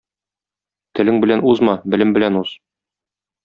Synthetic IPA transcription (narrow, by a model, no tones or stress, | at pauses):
t̪ɘ̆lɘŋbɘ̆lænuzmɑbɘ̆lɘmbɘ̆lænuz̥